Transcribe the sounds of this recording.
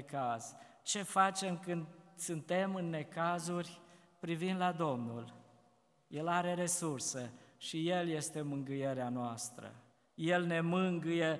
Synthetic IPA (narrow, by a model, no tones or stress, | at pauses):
kaz̥ | t͡ʃe̞fat͡ʃe̞mkɨnd̪sɨnt̪e̞mɨnːe̞kazurʲ | pɾivind̪lad̪o̞mnul | je̞laɾe̞ɾe̞sursəʃije̞lje̞st̪e̞mɨŋɡɨje̞ɾeanoast̪ɾə̰ | je̞lne̞mɨŋɡɨje